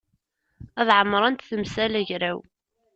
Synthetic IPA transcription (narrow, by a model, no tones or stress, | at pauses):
æðʕəmːɾˤɑnt̪θəmsælæʝɾæw